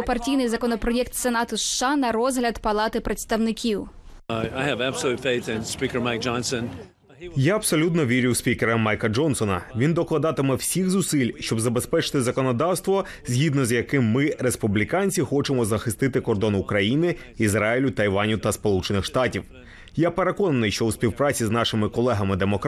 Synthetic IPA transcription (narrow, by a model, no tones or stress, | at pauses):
pɐrtʲijnɪjzɐkɔnɔpɾɔjɛk̚t̪senɑt̪ʊʃʃɑnɐɾɔzɦlʲɐd̪pɐlˠɑt̪ɪpɾet̪st̪ɐwnɪkʲiw | aɪɨvæb̥səlˠʉtfeɪθɨ̃nspikə˞maɪk̚d̥ʒ̥ɑ̃nsɨ̃n | jaɐb̥sɔlʲut̪̬nɔʋʲiɾʲʊwspʲikeɾɐmːɑjkɐd͡ʒɔnsɔnɐʋʲind̪ɔklˠɐd̪ɑt̪ɪmɛwsʲixzʊsɪlʲʃt͡ʃɔbzɐbespɛt͡ʃɪ̥t̪ɪzɐkɔnɔd̪ɑwst̪ʋɔ | zʲɦid̪nɔzjɐkɪmːɪɾespublʲikɑnʲt͡sʲixɔt͡ʃemɔzɐxɪst̪ɪt̪ɪkɔrd̪ɔnʊkɾɐjinɪ | izɾɑɪlʲʊt̪ɐjʋɑnʲʊwt̪ɐspɔlˠut͡ʃenɪxʃt̪ɑtʲiw | jape̞ɾe̞kɔnɐnɪjʃt͡ʃɔwspʲiwpɾɑt͡sʲiznɑʃɪmɪkɔlˠɛɦɐmɪd̪emɔk